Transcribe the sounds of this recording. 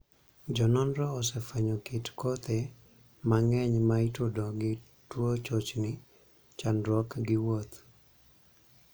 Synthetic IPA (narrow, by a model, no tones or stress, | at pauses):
d͡ʒɔnɔndɾɔːsɛfɛɲɔkɪtkɔt̪e | maŋɛɲmaitodoɡɪ | twot͡ʃot͡ʃnɪ | t͡ʃandɾɔkɡɪwot̪